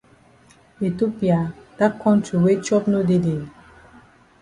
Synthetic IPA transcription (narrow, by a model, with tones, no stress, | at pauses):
e˨to˦pi˨a˨d̥a˦kɔ̃˦ntu˨we˦t͡ʃɔ˦pno˦de˦de˨